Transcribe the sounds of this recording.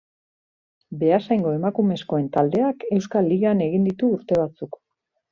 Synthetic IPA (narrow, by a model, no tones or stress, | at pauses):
be̞asajŋɡo̞e̞makume̞sko̞e̞nt̪ald̪e̞ake̞wskalːiɣeane̞ɣ̞ind̪it̪uːɾt̪e̞β̞at͡suk